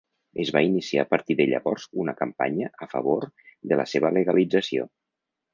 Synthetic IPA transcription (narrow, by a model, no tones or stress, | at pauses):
əzβainisia̰pəɾt̪iðeʎə̰βɔɾzunəkəmpa̰ɲəʔəfə̰βoɾd̪ələseβələɣəlid͡zəsio̰